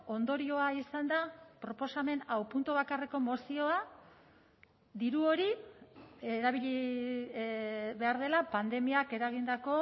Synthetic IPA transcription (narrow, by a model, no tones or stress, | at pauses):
o̞nd̪o̞ɾio̞aisand̪apɾo̞po̞same̞nawpunt̪uβakareko̞mo̞sio̞a | d̪iɾuo̞ɾi | eɾaβ̞iʎi | βe̞aɾð̞e̞lapand̪e̞miake̞ɾaɣ̞ind̪ako̞